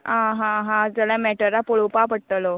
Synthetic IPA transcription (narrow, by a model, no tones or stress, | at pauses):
ãɦãɦãd͡zəlamɛʈəɾapoɭupapəɽʈ̪əlo